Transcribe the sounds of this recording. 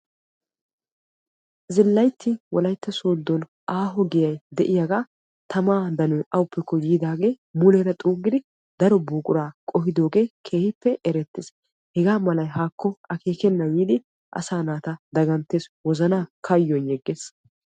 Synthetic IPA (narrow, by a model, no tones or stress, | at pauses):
zɪlːɐjt̪ʰːɪwɔlɐjt̪ːɐsoːd̪ːɔn | ʔaːɦɔɡɪjɐjd̪ɛʔɪjaɡaː | t̪ɐmaːd̪ɐnɔjʔɐwʊpːɛkːɔɡiːd̪aːɡe̞ː | mʊlɛɾɐt̪ʼuːɡɪd̪ɪ | d̪ɐɾɔbuːkʼʊɾaːkʼɔɦɪd̪o̞ːɡe̞ːkʰeːhɪpːɛʔɛɾɛt̪ːɪs | hɛɡaːmɐlɐjɦaːkːɔɐke̞ːkɛnːɐjiːd̪ɪ | ʔɐ̰saːnaːt̪ɐd̪ɐɡɐnt̪ːe̞ːswɔzɐnaːkʰɐjːɔnjɛɡːeːs